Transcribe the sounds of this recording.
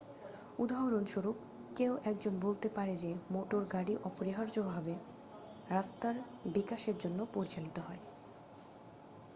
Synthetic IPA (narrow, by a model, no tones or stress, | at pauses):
ud̪aɦoɾonʃoɾup | kewʔɛk̚d͡ʑonbolt̪epaɾed͡ʑemoʈoɾɡaɽiʔɔpoɾiɦaɾd͡ʑobʱabe | ɾast̪aɾ | bikaʃeɾd͡ʑonːopoɾit͡ɕalit̪oɦɔe